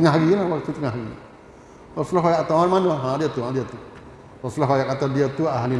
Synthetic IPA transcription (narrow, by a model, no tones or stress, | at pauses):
əŋaɦaɡilahwak̚t̪ut̪əŋaɦaɡi | ɔsulɔɦajaʔt̪amanmanəɦãdiət̪uɦãdiət̪u | rɔsulɔɦajakat̪adiət̪uaʔɦani